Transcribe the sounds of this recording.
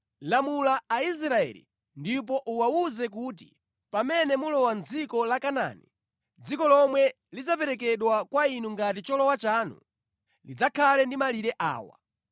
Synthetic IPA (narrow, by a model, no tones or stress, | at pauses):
lamulaais̬ɾaɛ̰lḭ | ndip̬ɔʔuwauzɛk̬uːt̬i̥̰ | pamɛnɛmulɔwand͡zikɔlakana̰nḭ | d͡zikɔlɔmwɛ | lid͡zapɛɾɛk̬ɛɗwakwainuŋɡatit͡ʃɔlɔwat͡ʃaːnṵ | lid͡zakʰalɛndimaliɾɛʔa̰ːwa̰